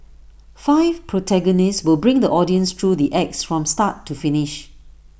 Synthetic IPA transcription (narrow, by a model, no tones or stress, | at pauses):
faɪvpʰɹotʰɛɡɔnɪstswɪlˠbɹɪ̃ŋd̪əʔɔdiə̃nst̪ʰɹudiʔɛk̚sfɹɔ̃mstatʰːufɪnɪʃ